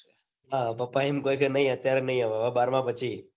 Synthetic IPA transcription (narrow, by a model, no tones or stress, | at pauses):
ɦãbəpːaemkoikʰənəɦĩət̪jaɾenəɦĩaʋaʋabaɾmãpət͡ʃʰi